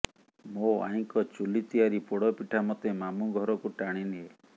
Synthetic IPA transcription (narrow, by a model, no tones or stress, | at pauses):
moa̰ɦiŋkɔt͡ʃulit̪iaɾipoɽɔpiʈʰamɔt̪emamuɡʱɔɾɔkuʈaɽ̃iniɦe